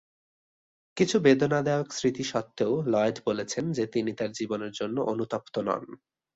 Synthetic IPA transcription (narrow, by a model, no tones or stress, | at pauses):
kit͡ɕʰubed̪onad̪aoksɾit̪iʃɔt̪ːeolɔeɖbolet͡ɕʰend͡ʑet̪init̪aɾd͡ʑiboneɾd͡ʑonːoʔonut̪ɔp̚t̪onɔ̰n